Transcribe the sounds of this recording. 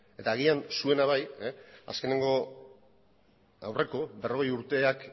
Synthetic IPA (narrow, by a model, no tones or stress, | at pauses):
e̞t̪aːɣ̞iansue̞naβaja̰ske̞ne̞ŋɡo̞ | a̰wre̞ko̞be̞ro̞ɣ̞e̞juɾt̪e̞ak